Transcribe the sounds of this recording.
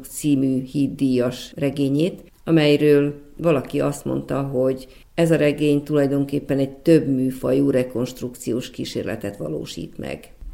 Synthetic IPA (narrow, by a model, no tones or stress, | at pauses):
kt̪siːmyːhiːd̪ːijɒʃrɛɡeːɲeːt̪ | ɒmɛjrøːlʋɒlɒkiɒst̪mo̞̰nt̪ɒɦo̞ɟ | ɛzɒɾɛɡeːɲt̪ulɒjd̪o̞ŋkeːpːɛnɛɟ̚t̪øbmyːfɒjuːɾɛko̞nʃt̪ruk̚t̪sijoːʃkiːʃḛːrlɛ̰t̪ɛt̪ʋɒ̰lo̰ːʃḭːt̪mɛ̰ɡ